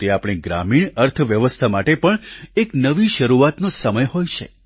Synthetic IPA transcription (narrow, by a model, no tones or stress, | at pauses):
t̪eapɽ̃iɡɾa̰miɳəɾt̪ʰʋjəʋəst̪ʰamaʈepəɳeknəʋiʃəɾuat̪nosəməjɦojt͡ʃʰḛ